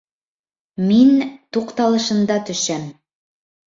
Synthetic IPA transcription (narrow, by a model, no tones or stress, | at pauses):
mint̪uqt̪ɑlˠɤ̆ʃɤ̆nd̪ɑt̪ɵ̆ʃæm